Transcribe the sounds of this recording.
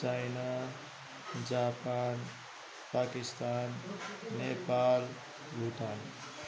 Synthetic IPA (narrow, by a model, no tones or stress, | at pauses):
t͡ʃajna | d͡ʒaːpan | paːkist̪aːnːepal | ɡʱut̪an